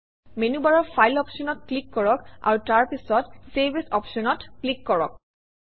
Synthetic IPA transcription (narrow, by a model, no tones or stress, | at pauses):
menubaɹɔɹpʰajlɔpʃɔnɔt̚klikːɔɹɔka̰ɹutaɹpisɔtseɹbʱisɔpʃɔnɔtklikːɔɹɔ̰k̚